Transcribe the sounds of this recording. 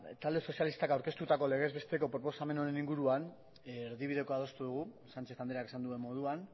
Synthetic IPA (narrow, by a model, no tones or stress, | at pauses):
t̪ald̪e̞so̞sjalist̪akawɾke̞st̪ut̪ako̞le̞ɣ̞e̞zβe̞st̪e̞ko̞pɾo̞po̞same̞no̞ɾe̞niŋɡuɾuan | ɾðiβiðe̞ko̞að̞o̞st̪uðuɣ̞u | sant͡ʃe̞θand̪eɾake̞sand̪ue̞mːo̞ð̞uan